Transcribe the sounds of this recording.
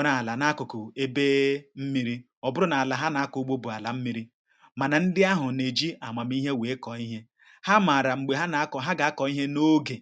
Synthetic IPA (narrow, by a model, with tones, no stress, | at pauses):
na˨la˨na˦kʊ˨kʊ˨e˦beː˦m̩˦mi˦ɾi˦ | ɔ˨bʊ˦ɾʊ˦na˨a˨la˨ɦa˦na˨˦a˦kʊ˨˦ɡ͡bo˦bʊ˨a˨la˨m̩˦mi˦ɾi˦ | ma˨na˨n̩˦dɪ˦a˦ɦʊ˨ne˨d͡ʒi˦a˨ma˨m˦i˦ɦe˦we˨˦kɔ˨i˦ɦe˦ | ha˦ma˨ɾa˨ŋ͡m̩˨ɡ͡be˨ɦa˦na˨˦kɦa˦ɡa˨a˦kɔ˨i˦ɦe˦no˦ɡe˨